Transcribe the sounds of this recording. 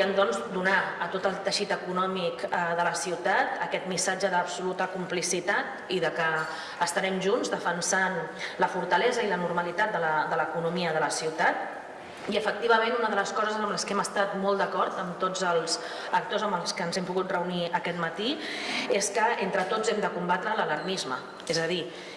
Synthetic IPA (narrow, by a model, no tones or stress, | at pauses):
ənd̪ɔnzd̪unaət̪ot̪əlˠt̪əʃit̪əkunɔmikəðələsiwt̪at̪əkɛt̪misad͡ʒəðəpsulut̪əkumplisit̪at̪ | iðəkəː | st̪əɾɛmʒunzd̪əfənsanləfuɾt̪əlɛzəilənuɾməlit̪at̪̚d̪ələd̪ələkunumiəðələsiwt̪at̪ | iəfək̚t̪iβ̞əmẽnunəðələskɔzəzəmləskɛməst̪at̪mɔlˠd̪əkɔɾt̪əmt̪od͡zəlˠz | ək̚t̪ozəmbəlˠskənzɛmpuɣut̪̚rəuniəkɛt̪mət̪ieskəent̪ɾət̪od͡zɛmd̪əkumbat̪ɾələləɾmizmə | ezəði